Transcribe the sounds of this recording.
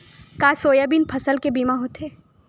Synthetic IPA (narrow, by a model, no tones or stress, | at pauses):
kaːsoːjabinpʰɐsəlkebiːmaɦoːt̪eː